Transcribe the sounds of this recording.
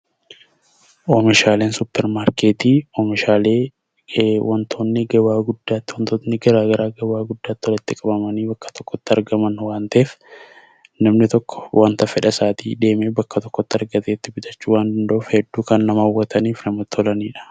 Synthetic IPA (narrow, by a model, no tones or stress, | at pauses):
ʔɔmɪʃaːle̞ːnsʊpːɛɾmaːɾkeːt̪iːɔmɪʃaːle̞ː | wʔɐnt̪ʰo̞ːnːɪɡɐwaːɡʊd̪ːaːt̪ːɪwɐnt̪onːɪɡɐɾaːɡɐɾaːɡɐwaːɡʊd̪ːaːt̪ːɪɔlɐt̪ːɪkʼɐbɐmɐniːbɐkːɐ̥t̪ɔkːɔt̪ːɪɐɾɡɐmɐnːwaːnt̪ɐʔeːf | nɐmnɪt̪ɔkːɔ̥wʔaːnt̪ɐfɛᶑɐsaːt̪ʰḭːd̪e̞ːmeːbɐkːɐt̪ɔkːɔt̪ːɪɐɾɡɐt̪eːt̪ːɪbɪt̪ɐt͡ʃːuːwaːnd̪ɐnd̪ɐuːfhɛd̪ːuːkɐnːɐmɐɐwːɐt̪ɐniːfnɐmɐt̪ɔlɐniːᶑɐ̥